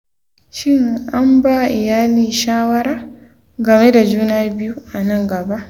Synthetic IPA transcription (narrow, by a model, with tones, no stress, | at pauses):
ʃɪ˦ŋʔa˦mba˦˨ʔɪ˨jaː˦liː˦˨ʃaː˦wɐ˦ɾaː˦ | ɡɐ˨me˦da˨d͡ʒuː˦naː˦bɪ˦ju˦ʔa˨nɐ˦˨ŋɡɐ˨ba˦ʔ